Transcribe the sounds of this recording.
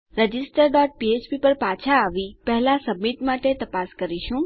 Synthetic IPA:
ɾəd͡ʒɪsʈəɾɖɔʈ̚piet͡ʃpipəɾpat͡ʃʰaːʋipɛɦɛlasəmːit̪maʈet̪əpaskəɾiʃũ

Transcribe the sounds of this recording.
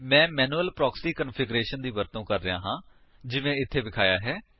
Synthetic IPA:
mɛ̃ːmɛːnuːəlpɾɔːksiːkənpʰɪɡɾeːʃənd̪iːʋəɾt̪õːkəɾːɪjã̰ːɦãː | d͡ʒɪʋẽːɪt̪ʰːeːbɪkʰaːjaːɦɛː

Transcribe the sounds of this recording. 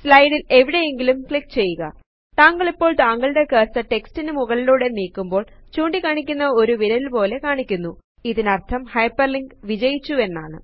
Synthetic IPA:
slɐjɽile̞ʋiɽe̞je̞ŋɡilumkɭikːt͡ɕe̞jːuɣɐ̰ | t̪aːŋɡɐɭipːo̞ːɭt̪aːŋɡɐɭɽe̞keːrsɐʈe̞kstinɨmuɣɐɭiluːɽe̞niːkːumbo̞ːɭt͡ɕuːɳɖikaːɳik̬ʲːunːɐo̞ɾuʋiɾɐilpo̞ːle̞kaːɳikʲːunːu | iðinɐrt̪ʰɐmhɐjpːɐrliŋɡʋid͡ʑɐjit͡ɕːue̞nːaːɳɨ̰

